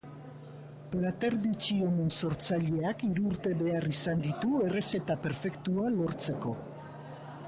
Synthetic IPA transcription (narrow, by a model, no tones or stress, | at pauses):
pɾat̪eɾðit͡ʃio̞menso̞ɾt͡saʎe̞akiɾuːɾt̪e̞βe̞arisand̪it̪ue̞re̞se̞t̪ape̞ɾfe̞kt̪ualo̞ɾt͡se̞ko̞